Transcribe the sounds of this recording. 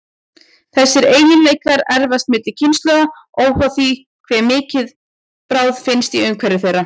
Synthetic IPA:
θɛsːɪɾeːjɪnleːjkaɾɛɾvast̪mɪːt̪lɪcʰɪnst̪lœɣa | oːwhaθi | kʰvɛːmɪːcɪð | pɾaːwðfɪnst̪iʏŋkʰvɛɾːɪθejrːa

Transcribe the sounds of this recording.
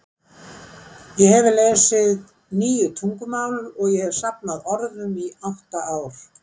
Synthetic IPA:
jɛɦɛvɪlɛːsɪð | niːjʏt̪ʰuŋkʏmaːwlɾɔɣjɛhɛv̥sap̚naðɔɾðʏmiawht̪aʔaːwɾ̥

